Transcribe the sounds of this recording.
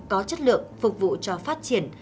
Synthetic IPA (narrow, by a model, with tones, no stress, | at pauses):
kɔ˨˦t͡ɕə˦˥t̚lɨ̰˧˨əŋfʊ˨˩k͡p̚vṵ˧˨t͡ɕɔ˧faː˦˥t̚t͡ɕi˧˩ən